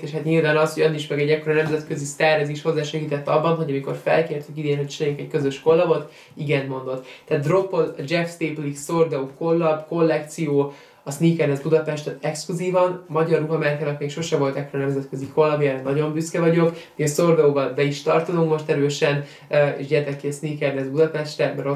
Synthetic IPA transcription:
eːʃhat̪ɲilvaːnɒsho̞ɟɒniʃmɛɡɛɟːɛkːo̞ɾɒnɛmzɛt̪kø̞zisarɛziːʃho̞zːaːʃɛɡiːt̪ɛt̪ːɒbːɒnɦo̞ɟɒmiko̞rfɛ̰lkeːrt̪ykid̪eːnɦo̞ct͡ʃinɛjekɛckøzøʃko̞lːɒbo̞t̪ | iɡɛnmo̞nd̪o̞t̪ːɛːt̪̚d̪ro̞pːolɒd͡ʒɛfst̪eːplikso̞rd̪ɛuko̞lːɒbko̞lːɛk̚t̪sijoː | ɒsniːkɛrnɛzbud̪ɒpɛʃt̪ɛɛkskluziːvɒnmɒɟɒruɦɒmɛɾkaːnɒkmeːkʃo̞ʃɛvo̞lt̪ɛkːoɾnɛmzɛt̪køzikʰo̞lːɒbjaɾɛnɒɟo̞mbyskɛvɒɟo̞kmiːɒsord̪ɛuːbɒlbɛiʃt̪ɒrt̪ozuŋkmo̞ʃt̪ɛɾøːʃɛn | øːḛːʃɟɛrt̪ɛkːiɒsniːkɛrnɛzbud̪ɒpɛʃt̪rɛmɛɾo

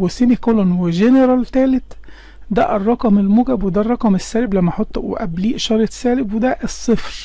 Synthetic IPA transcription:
wesinikolɑnweʒeneɾˤɑlt̪æːlet̪ | d̪æ̰ʔrˤːɑqɑmelmuːɡæbwed̪ærˤːɑqɑmesːæːleblæmːæħot̪ˤːwḛʔæ̰bliːʔʃɑɾˤet̪sæːlebwed̪æʔesˤːefɾ

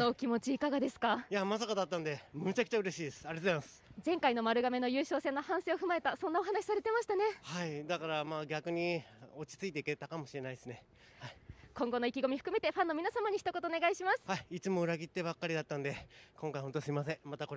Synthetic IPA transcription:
nokʲimo̞t͡ɕiːkaɡad̪e̞sɨ̥kajamasakad̪at̪ːãnd̪emɯ̟t͡ɕakɯ̟̥t͡ɕaɯ̟ɾe̞ɕiːd̪e̞sɨ̥aɾet̪oemasɨ̥zẽ̞ŋkaino̞maɾɯ̟ɡame̞no̞jɯ̟ːɕo̞ːsẽ̞nːohãɰ̃se̞ːoɸɯ̟mae̞t̪asõ̞nːao̞ɦanaɕi̥saɾe̞t̪e̞maɕi̥t̪ane̞haid̪akaɾamaːɡʲakɯ̟ɲ̟io̞t͡ɕi̥t͡sɨit̪e̞iket̪akamo̞ɕiɾe̞naid̪esɨne̞ | haikõ̞ŋɡo̞no̞ikʲiɡo̞mʲiɸɯ̟kɯ̟me̞t̪e̞ɸãnːo̞mʲinasamaɲ̟içi̥t̪o̞ko̞t̪oːneɡaiɕimasɨ̥haiit͡sɨmo̞ɯ̟ɾaɡʲit̪ːe̞bakːaɾʲid̪at̪ːãnd̪e̞kõ̞ŋkaihont̪osɨimasẽ̞mat̪ako̞ɾe

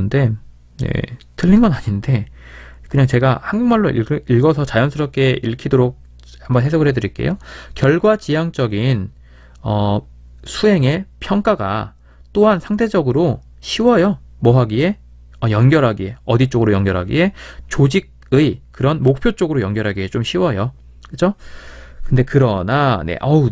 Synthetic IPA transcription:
nde̞ | nḛ | tɯʎːinɡʌnaɲinde̞ | kɯɲaŋt͡ɕe̞ɡahanɡuŋmaɭːoʔiiɭɡʌsʰʌt͡ɕajʌnsʰɯɾʌp̚k͈e̞iɭkʰidoɾok̚ | ambʌnɦe̞sʰʌɡɯɭɦedɯɾik͈e̞̰jokjʌɭɡwat͡ɕijaŋt͡ɕ͈ʌɡin | ʌ | sʰuɦe̞ŋe̞pʰjʌŋk͈aɡa̰ | t͈oɦansʰaŋtʰe̞d͡ʑʌɡɯɾo | ɕʰiwʌjo | mʌɦaɡie̞ | ʌjʌnɡjʌɾɦaɡie̞ʌdit͡ɕ͈oɡɯɾojʌnɡjʌɾɦaɡḭe̞t͡ɕod͡ʑiɡ̚ | ɯikɯɾʌnmok̚pʰjot͡ɕ͈oɡɯɾojʌnɡjʌɾɦaɡiet͡ɕomɕʰiwʌjo | kɯt͡ɕʰokɯnde̞kɯɾʌnanḛʔʌ

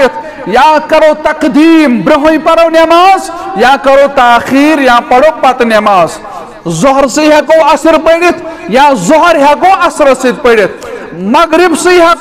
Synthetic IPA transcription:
t̪ʰ | jãːkɐɾot̪ɐkd̪iːmbɾiɦõjpɐɾownɐmaːz | jãkɐɾot̪aːxiːɾjãːpɐɽok̚pat̪nɐmaːz | zoɦɾsɨɦakõːɐsiɾpəjɽit̪ʰjãzɔɦɔɾɦjakoːɐsɾɐsit̪̚pɐɽit̪̚ʰ | mɐɡɾibsɨɦa

